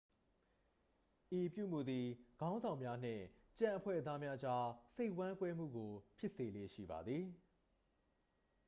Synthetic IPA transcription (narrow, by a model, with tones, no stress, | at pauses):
ʔi˨pjṵ˦˨m̥u˨d̪ði˨ɡ̥ã˦nzã˨ʊ̃mja˦n̥ɪ̰̃˦˨ | t͡ɕã˦˨ʔə˨pʰwɛ̰˦˨ət̪a˦mja˦ʔd͡ʑa˦se˦ɪʔwã˦kwɛ˦m̥ṵ˦˨ɡo˨pʰjɪ˦ʔse˨lḛ˦˨ʃḭ˦˨ba˨d̪ði˨